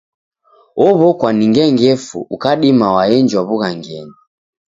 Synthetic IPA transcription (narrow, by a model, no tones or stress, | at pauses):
ɔβɔkwaniŋɡɛŋɡɛfṵʔukaɗimawaɛnd͡ʒwaβuɣaŋɡɛni